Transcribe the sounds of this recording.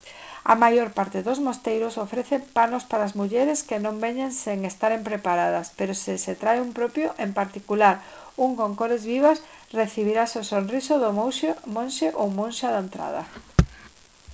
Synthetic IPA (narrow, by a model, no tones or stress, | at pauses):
a̰majoɾpaɾt̪ɪðozmost̪ejɾosofɾeθepanospaɾaːzmuʎɛɾeskenõmbeɲeŋseŋest̪aɾempɾepaɾað̞ɐspeɾosɪset̪ɾajumpɾopjoʔempaɾt̪ikulaɾ | uŋkoŋkoɾezβiβasreθiβ̞iɾasosonrisoðooʃmõnʃeʔowmõnʃaðaent̪ɾa̰ðɐ̰